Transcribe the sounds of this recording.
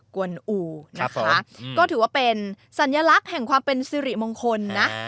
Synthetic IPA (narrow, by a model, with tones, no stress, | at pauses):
ku˧˩ənʔuː˧na˦˥kʰa˦˥kɔː˥˩t̪ʰɯː˩˦waː˥˩pe˧n | sa˨˩˦njaː˧la˦˥k̚hɛ˨˩ŋkʰwaː˧mpe˧nsiː˧ɾi˨˩mo˧ŋkʰo˧nːa˦˥